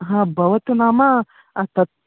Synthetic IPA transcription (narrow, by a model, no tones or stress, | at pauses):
ɦãbɐʋɐt̪unaːma | t̪ɐt̪̚